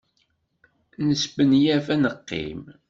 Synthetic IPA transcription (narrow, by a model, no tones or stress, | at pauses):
nəsbənjæfænəqːḭm